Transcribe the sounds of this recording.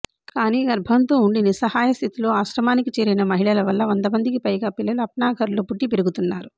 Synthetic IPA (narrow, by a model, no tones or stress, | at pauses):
kaːniːɡɐɾbʱɐnt̪o̞ːuɳɖinisɐhaːjɐst̪ʰit̪ilo̞ːaːʃɾɐmaːnikit͡ʃeːɾinɐmɐɦiɭɐlɐʋɐlːɐʋɐnd̪ɐmɐnd̪ikipɐjɡaːpilːɐluɐp̚ɳaːɡʱɐɾloːpuʈːipeɾuɡut̪unːaːɾu